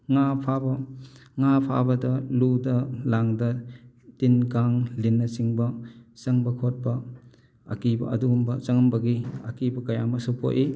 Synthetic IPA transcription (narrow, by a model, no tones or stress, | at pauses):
ŋapʰabɐŋapʰa̰bɐdɐludɐlaŋdɐ | tinkaŋlinːɐsiŋbɐsɐŋbɐkʰot̚bɐ | ɐ̰kibɐ̰ɐ̰duɡumbɐsɐŋɐmbɐɡiɐ̰kibɐkɐjamɐsupo̰ʔi